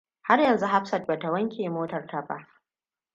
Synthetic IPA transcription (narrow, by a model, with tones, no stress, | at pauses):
ha˦rjɐ˨nzu˦ɦa˦ɸsɐ˨t̚ba˨ta˨wɐ˦ŋkʲeː˨moː˦tɐ˨rta˨ba̰˦ʔ